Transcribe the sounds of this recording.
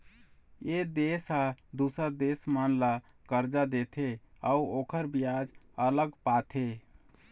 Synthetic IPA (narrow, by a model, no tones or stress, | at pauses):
ed̪esad̪usəɾd̪esmənla | kəɾd͡ʒad̪et̪ʰeauokʰəɾbiad͡ʒələɡpat̪ʰe